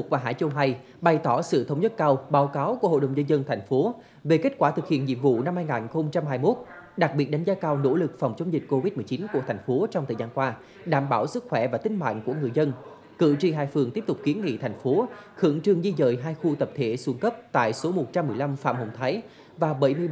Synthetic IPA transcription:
k̚vaː˨˩ɦa̰ː˧˩jt͡ɕə˧wɦa˧j | ɓa˨˩jt̪ɔ˧˩sɨ̰˧˨t̪ʰə˨˦wŋ͡mzə˦˥t̚kaː˧wɓaː˨˦wkaː˨˦wku˧˩əho̰˧˨ɗə˨˩wŋ͡mzə˧nzə˧nt̪ʰa˨˩jŋ̟fo˨˦ | ve˨˩ke˦˥t̚kwaː˧˩t̪ʰɨ˨˩k̚hḭ˧˨ənɲḭ˧˨mvṵ˧˨na˧mhaː˧jŋaː˨˩nxə˧wŋ͡mt͡ɕa˧mhɦaː˧jmo˦˥t̚ɗa˨˩k̚ɓi˨˩ət̚ɗa˨˦jŋzaː˨˧˦kaː˧wno̰˧˥lɨ˨˩k̚fa˨˩wŋ͡mt͡ɕə˨˦ŋ͡mzï˨˩k̟̚ko˧vi˦˥t̚mɨ˨˩t͡ɕi˨˦nku˧˩ət̪ʰa˨˩jŋ̟fo˨˦t͡ɕɔ˧wŋ͡mt̪ʰəː˨˩jzaː˧nkwaː˧ | ɗaː˧˩mɓaː˧˩wsɨ˦˥k̚xwɛ˧˩vaː˨˩t̪ï˨˧ŋ̟ma̰ː˧˨ŋku˧˩əŋɨ˨˩əjzə˧n | kɨ̰˧˨t͡ɕi˧˩ɦaː˧˩jfɨ˨˩əŋt̪i˦˥p̚t̪ʊ˨˩k͡p̚ki˨˦ənŋḭ˧˨t̪ʰa˨˩jŋ̟fo˨˦xɨ˧˩əŋt͡ɕɨ˧˩əŋzi˧zə̰ː˧˨jɦaː˧jxu˧t̪ə˨˩p̚t̪ʰe˧˩su˧əŋkə˦˥p̚t̪a̰ː˧˨jso˨˦mo˨˩t̚t͡ɕa˧mːɨ˨˩əjla˧mfa̰ː˧˨mho̰˧˨˩ŋ͡mt̪ʰaː˨˦j | vaː˨˩ɓə˧˩jmɨ˧əj

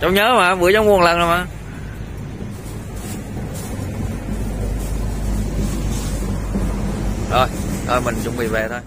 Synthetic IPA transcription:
t͡ɕɔ˧˦ŋ͡mɲəː˨˦maː˨˧ɓɨ˧˦əjzɔ˧˦wŋ͡mmu˨˩əŋlə˨˩na˨˩maː˨˩ | ɗo˨˧˩jt̪ʰo˧jmï˨˩ŋt͡ɕʊ̰˧˥ŋ͡mɓḭ˧˨ve˨˩t̪ʰo˧j

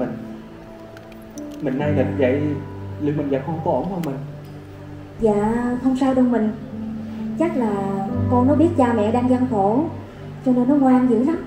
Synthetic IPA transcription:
i˨˩ŋ̟ | mï˨˩ŋʔa˧jɗə˨˩t̚və̰˧˨jlɨ̰˨˧˨əŋ͡mmi˨˩ŋzaː˨˩xə˧wŋ͡mkɔ˨˦ʔo˧˩˦ŋ͡mɔ˧˩mï˨˩ŋ̟ | za̰ː˧˨xʰə˧wŋ͡msaː˧jɗɔ˧˩mï˨˩ŋ̟ | t͡ɕa˦˥k̚laː˨˩kɔ˧nɔ˨˦ɓi˦˥ət̚t͡ɕaː˧mɛ̰˧˨ɗaː˧ŋzaː˧ŋt̪ʰo˧˩ | t͡ɕɔ˧ne˧nːɔ˨˦ŋwaː˧nzɨ̰˧˥za˦m

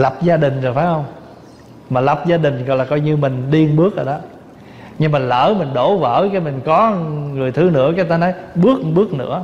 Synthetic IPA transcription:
la˨˩p̚zaː˧ɗï˨˩ŋ̟zo˨˩jfaː˨˦jhə˧wŋ͡m | maː˨˩la˨˩p̚zaː˧ɗï˨˩ŋ̟ɣɔ̰˨laː˨˩kɔ˧jɲɨ˧mï˨˩ŋ̟ɗi˧ənɓɨ˦˥ək̚ʔəː˨˩ɗɔ˨˦ | ɲɨ˧ma˨˩ŋ̟lə̰ː˧˥mï˨˩ŋ̟ɗo˧˩və̰ː˧˥˩kaː˨˦mï˨˩ŋ̟kɔ˨˦ŋɨ˨˩əjt̪ʰɨ˨˦nɨ̰˧˥əkaː˨˦t̪aː˧nɔ˨˦jɓɨ˦˥ək̚ɓɨ˦˥ək̚nɨ̰˧˥ə

